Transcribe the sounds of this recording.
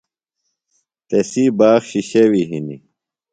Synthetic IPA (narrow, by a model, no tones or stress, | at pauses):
t̪esiːbaːxɕiɕewiɦinḭ